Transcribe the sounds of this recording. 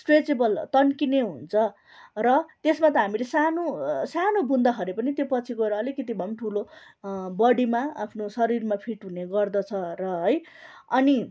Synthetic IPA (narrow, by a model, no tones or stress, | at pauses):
sʈred͡zebʌlt̪ʌnkineɦunt͡sʰʌ | rʌt̪esmat̪ʌɦamilesanosanobʱund̪ʌkʰʌɾepʌnit̪jopʌt͡sʰikoɾʌːlikʌt̪̬ibʱʌmʈʰulo | bʌɽimaa̰pʰnosʌɾirmapʰiʈɦuneɡʌrd̪ʌt͡sʰʌrʌɦʌj | ʌni